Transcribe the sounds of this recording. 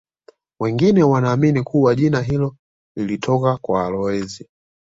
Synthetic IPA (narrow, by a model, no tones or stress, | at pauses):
wɛŋɡinɛwanaːminikuwaʄinaɦilɔ | lilitʰɔkakwaːlɔɛzi